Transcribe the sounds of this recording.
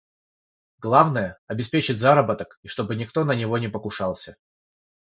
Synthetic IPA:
ɡ̥lˠavnəjəɐbʲɪspʲet͡ɕɪtʲzaɾəbət̪əkiʂt̪o̞bɨnʲɪkt̪onənʲɪvo̞nʲɪpəkʊʂɑlˠsʲə

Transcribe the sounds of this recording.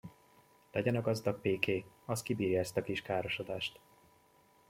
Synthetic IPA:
lɛɟɛnɒɡɒzd̪ɒɡ̚peːkeː | ɒskibiːɾjaɛst̪ɒkiʃkaːɾo̞ʃo̞d̪aːʃt̪

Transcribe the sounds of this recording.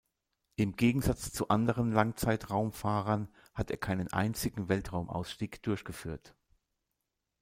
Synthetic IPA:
ʔɪmɡeːɡŋ̩zat͡st͡suʔandəʁ̞ənlaŋt͡saɪtʁaʊmfaːʁɐn | hateːɐkʰaɪnənʔa̰ɪnt͡sɪɡŋ̩vɛltʁ̥aʊmʔa̰ʊsʃtiːkd̥ʊɐçɡ̥əfyːɐt

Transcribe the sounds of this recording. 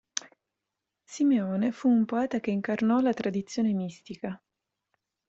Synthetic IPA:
simeɔːnefuːmpoɛːt̪akeiŋkarnɔlat̪ɾad̪it̪sːjoːnemist̪ika

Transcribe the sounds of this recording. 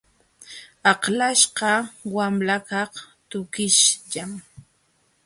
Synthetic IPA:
ɑqlaʃqɑwamlakɑht̪ʊkɪʃʎam

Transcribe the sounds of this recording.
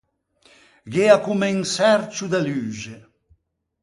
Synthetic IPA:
ɡeakumɛŋsɛɾt͡ʃud̪alyːʒe

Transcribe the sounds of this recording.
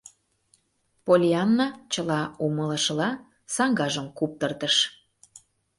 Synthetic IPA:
polʲiɑnːɑt͡ɕəlɑumələ̆ʃəlɑ | sɑŋɡɑʒəmkup̚t̪ərt̪əʃ

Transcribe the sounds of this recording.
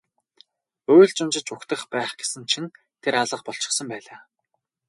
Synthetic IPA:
oːjɮt͡ɕʊnt͡ɕɪ̆t͡ɕʊkt̪ə̆χpæːχɡ̥e̥sɘ̆nt͡ɕʰin | t̪ʰeɾaɮə̆χpɔɬt͡ɕɪ̥̆χsə̆mpæːɮaː

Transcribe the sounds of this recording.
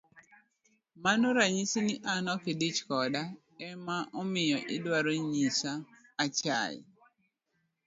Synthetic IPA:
manoɾaɲisiniʔanɔkidit͡ʃkɔda | ɛmaʔɔmɪjɔʔɪdwaɾoɲisaː | t͡ʃa̰j̰

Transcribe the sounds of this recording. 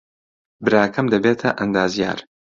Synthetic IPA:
bɨɾaːkʰɐmd̪ɐbeːt̪ʰɐʔɐnd̪aːzija̰ːɾ

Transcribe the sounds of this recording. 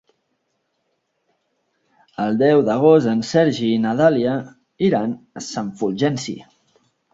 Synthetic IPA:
əlˠd̪ɛwðəɣ̞ost̪ənsɛɾʒinəðaliə | iɾansaɱfulˠʒɛnsḭ

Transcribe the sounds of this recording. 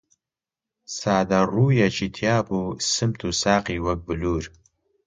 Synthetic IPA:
saːd̪aɾuːjat͡ʃit̪ʰjaːpusɨmt̪ʰusaːqiwək̚bɨluːɾ

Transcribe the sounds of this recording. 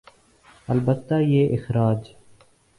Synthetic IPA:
ɐlbət̪ːaːjeːʔɪxɾaːd͡ʒ

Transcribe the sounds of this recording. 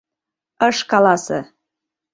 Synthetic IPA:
əʃkɑlɑsɤ̰

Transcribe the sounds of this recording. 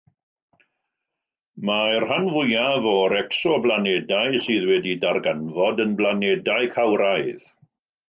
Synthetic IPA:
marhanvʊjavɔɾɛksɔblanɛdaɨsɨːðwɛdidarɡanvɔdənblanɛdaɨkʰawɾajð

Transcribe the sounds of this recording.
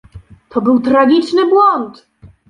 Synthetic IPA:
t̪ʰɔbɘwt̪ɾaɡʲit͡ʂnɘbwɔnt̪

